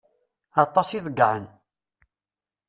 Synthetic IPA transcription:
ɑt̪ˤːɑsiðəɡːaʕən

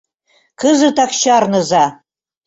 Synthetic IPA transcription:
kʰɨzɨtʰakʰʃarnɨza

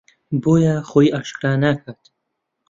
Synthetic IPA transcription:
boːjaχojaʃkɾanakʰad̪̥

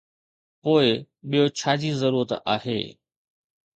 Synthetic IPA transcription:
poːɪ | ɓijot͡ɕʰaːd͡ʑizɐɾuːɾət̪a̰ːɦḛː

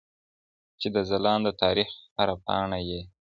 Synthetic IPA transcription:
t͡ʃed̪əzalɑnd̪ət̪ʰɑɾixhaɾapɑ̰ɳaje

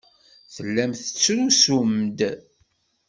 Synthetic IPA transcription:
θəlːæmθə̥t͡sːɾusumd̪

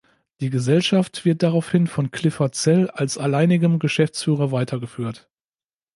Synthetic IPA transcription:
d̥iːɡəzɛlʃaftv̥ɪɐt̚d̥aʁaʊfhɪnfɔnkʰl̥ɪfɐt͡sɛlalsalaɪnɪɡəmɡəʃɛft͡sfyːʁ̞ɐvaɪtʰɐɡəfyːɐt

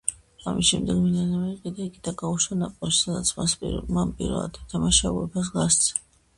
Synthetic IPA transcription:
amisʃɛmd̪ɛɡmid̪anamɛiqʼid̪aikʼid̪aɡauʃanapʼɔʃi̥sad̪a̰t̪sʰmaspʼmapʼḭɾɛ̰a̰d̪ɛt̪ʰamaʃauɛ̰bas̬ɡast̪sʰ

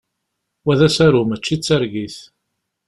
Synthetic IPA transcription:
wæðæsæɾumət͡ʃːit͡sːæɾɡiθ

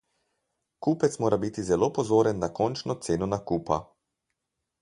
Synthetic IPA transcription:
kuːpɛt̪smoːɾabit̪izɛlopɔzoːɾɛnːakɔnt͡ʃnɔt̪seːnɔnakuːpa̰

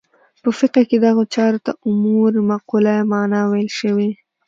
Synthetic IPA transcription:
pəfɪqaked̪aɣot͡ʃɑɾot̪aʔʊmuɾmaqulamɑnɑwajəlʃəwi

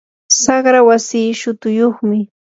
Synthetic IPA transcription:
sɑχɾawasiːʃʊt̪ʊjoχmɪ

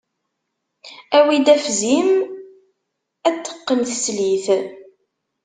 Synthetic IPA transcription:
æwid̪æfzim | æt͡s̪ːə̥qːəmθəsliθ

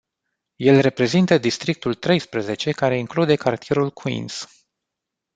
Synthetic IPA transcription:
je̞lre̞pɾe̞zint̪əd̪ist̪ɾik̚t̪ult̪ɾe̞jspɾəze̞t͡ʃe̞kaɾe̞iŋklud̪e̞kart̪ie̞ɾulkʰuḭns

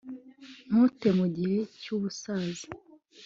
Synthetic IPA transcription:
mutemuɟiɾicuːβusaːzi̥

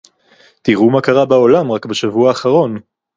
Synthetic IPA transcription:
t̪iʁumakaʁabao̞lamʁakbeʃavuaːχaʁo̞n

